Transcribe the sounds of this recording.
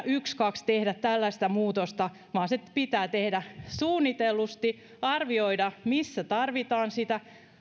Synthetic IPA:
ʔykskɑkst̪ehdæt̪t̪ælːæst̪æmuːt̪ost̪ɑ | ʋɑːnsepit̪æːt̪ehdæsuːnːit̪elːust̪i | ɑrʋioidɑmisːæt̪ɑrʋit̪ɑːnsit̪æ

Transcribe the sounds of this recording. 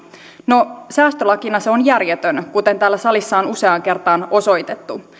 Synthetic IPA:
no̞sæːst̪ølɑkinɑseo̞njærjet̪ønkut̪e̞nt̪æːlːæsɑlisːɑonuse̞ɑŋke̞rt̪ɑːno̞so̞jt̪e̞t̪ːu

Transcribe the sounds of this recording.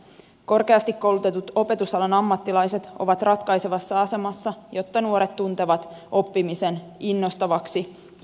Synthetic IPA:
ko̞rke̞ɑst̪ikko̞wlut̪et̪ut̪o̞pe̞t̪usɑlɑnɑmːɑt̪ːilɑjse̞t̪o̞̰ʋɑt̪rʔɑt̪kɑjseʋɑsːɑɑse̞mɑsːɑjo̞t̪ːɑnuo̞ɾet̪t̪ːunt̪eʋɑt̪o̞pːimise̞ninːo̞st̪ɑʋɑksi

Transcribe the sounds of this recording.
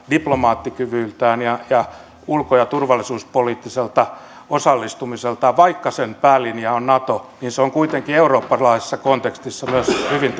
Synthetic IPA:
diplomɑːt̪ːikyʋyːlt̪æːnjɑjɑ | ulkojɑt̪urʋɑlːisuːspoliːt̪ːiselt̪ɑ | osɑlːist̪umiselt̪ɑʋɑikːɑsenpæːlːiniæonnɑt̪oniːnseoŋkuit̪eŋkieuroːpːɑlɑise̥sːɑkont̪ekst̪isːɑmyøshyʋint̪

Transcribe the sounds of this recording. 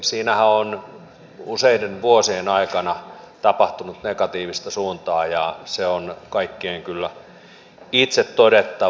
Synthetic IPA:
siːnæhæon | useidenʋuosienɑikɑnɑt̪ɑpɑht̪unut̪nekɑt̪iːʋist̪ɑsuːnt̪ɑːjɑseonkɑikːeːŋkylːæ | it̪set̪todet̪ːɑ

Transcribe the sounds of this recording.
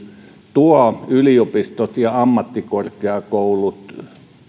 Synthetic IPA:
t̪uɑyliopist̪ot̪jɑɑmːɑt̪ːikorkeɑkoulut̪

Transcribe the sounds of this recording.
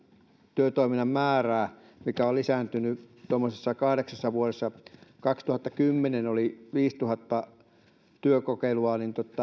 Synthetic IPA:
t̪yøt̪oiminːɑmmæːræː | mikæollisæːnt̪ynyt̪omːosesːɑkɑhɾeksɑsːɑʋuoɾesːɑkɑkst̪uhɑt̪ːɑkymːenenoliʋiːst̪uhɑt̪ːɑ | t̪yøkokeiluɑnint̪ot̪ːˑɑ

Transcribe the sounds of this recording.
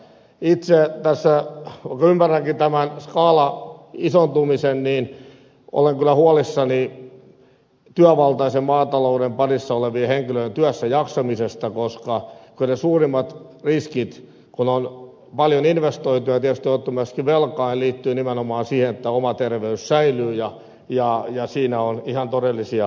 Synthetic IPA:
it̪set̪æsːæʋɑikːɑymːærːæŋkit̪æmænskɑːlɑisont̪umisenniːn | ʔo̰leŋkylːˑæhuɑlisːɑni | t̪yæʋɑlt̪ɑisemmɑːt̪ɑlouɾempɑnisːɑoleʋieheŋkiløjent̪yæsːæjɑksɑmisest̪ɑkoskɑkylnesuːrimːɑt̪riskit̪ | kunon | pɑljoninʋest̪oit̪ujɑt̪iæst̪iot̪ːumæskiʋʋelkɑilliːt̪ːyːnimenomɑːnsiːhenet̪ːæomɑt̪erʋeyssæilyːjɑ | jɑjɑsiːnæonihɑnt̪odelːisiɑ

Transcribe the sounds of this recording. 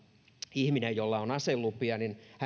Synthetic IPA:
ihminejjolːɑonɑselːupːˑiɑninhæ

